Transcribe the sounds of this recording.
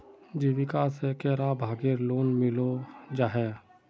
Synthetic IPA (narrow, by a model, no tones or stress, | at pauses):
d͡ʒiʋɪkasekeːɾabʱaːɡeɾloːnmɪlod͡ʒaːɦɛː